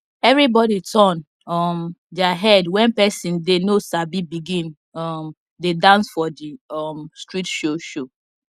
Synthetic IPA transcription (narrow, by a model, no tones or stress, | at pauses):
ɛvɹibɔditʰɔ̃n | ɔmdaɦɛdwɛ̃npɛsĩndenosabibiɡĩn | ɔm | dedãnsfɔdiɔmstɹitʃoʃo